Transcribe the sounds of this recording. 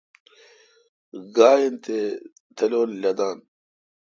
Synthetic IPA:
ɡaːjent̪ʰeː | t̪ʰɐloːllɐd̪aːn

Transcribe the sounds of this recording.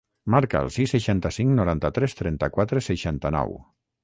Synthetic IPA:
maɾkaə̰lˠsisːəʃant̪əsiŋknuɾant̪ət̪ɾɛst̪ɾɛnt̪əkwat̪ɾesəʃant̪ənɔ̰w

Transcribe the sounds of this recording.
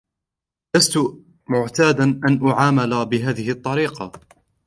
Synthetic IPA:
last̪ʊ | mʊʕt̪aːd̪anʔanʔʊʕaːmalabɪɦaːðɪhʔt̪ˤːɑɾiːqɑ̰

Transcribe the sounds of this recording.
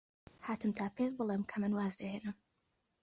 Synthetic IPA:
haːt̪ɨmt̪ʰaːpʰeʃbɨlˠemkʰɐmɨnwaːzd̪ɐheːnɨm

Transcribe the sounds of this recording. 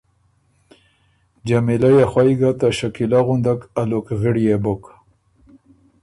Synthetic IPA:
d͡ʒamilajaxwajɡat̪aʃakilaɣʊnd̪akalokɣɪɽjebʊk

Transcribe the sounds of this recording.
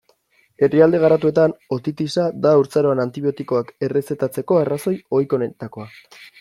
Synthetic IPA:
e̞riald̪e̞ɣ̞aɾat̪ue̞t̪ano̞t̪it̪isad̪auɾt͡saɾo̞anant̪iβio̞t̪iko̞ake̞re̞se̞t̪at͡se̞ko̞araso̞jo̞jko̞net̪ako̞a

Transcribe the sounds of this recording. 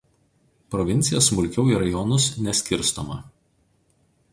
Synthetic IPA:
pɾɔʋʲɪnʲt̪sʲɪjosmʊlʲkʲɛʊiːˑɾɐjɔnʊsnʲɛsʲkʲɪɾst̪omɐ

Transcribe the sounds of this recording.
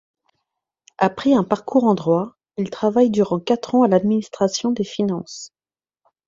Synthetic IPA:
apχɛɛ̃paʁkuʁɑ̃d̪ʁwa | ilt̪χavajd̪yʁɑ̃kat̪χɑ̃alad̪minist̪χasjɔ̃d̪efinɑ̃s

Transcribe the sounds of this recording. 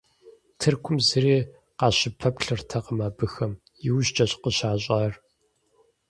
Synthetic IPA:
tʰɨrkʷʰʊmzɨriː | qɑːɕɪpʰɐpɬɨrtʰɐqəmaːbɨxɐm | jɪwʑt͡ʃʼɐɕʼqəɕaːɕʼaːr

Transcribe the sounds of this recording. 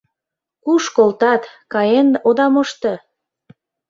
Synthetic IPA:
kuʃkolt̪ɑt̪kɑjenod̪ɑmɤʃt̪ɤ

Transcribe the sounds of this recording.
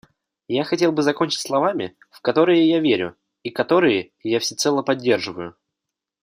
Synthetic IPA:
jaxɐtʲe̞lˠbɨzɐko̞nʲt͡ɕɪ̥tʲslˠɐvamʲɪ̰ | fkɐt̪o̞ɾɨjɪjavʲeɾʲʊ̰ | ikɐt̪o̞ɾɨjɪ | jafsʲɪt̪sɛlˠəpɐdʲːe̞rʐɨvəjʊ

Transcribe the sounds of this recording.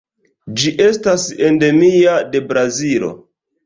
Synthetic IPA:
d͡ʒiʔe̞stase̞nde̞miade̞bɾazilo̞̰

